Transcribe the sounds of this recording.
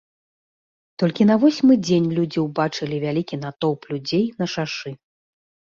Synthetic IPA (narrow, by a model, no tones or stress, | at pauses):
t̪ɔlʲkʲinɐvɔsʲmɨd͡zʲenʲlʲud͡zʲiwbat͡ʂɨlʲivʲalʲikʲinat̪ɔwplʲud͡zʲejnɐʂaʂɨ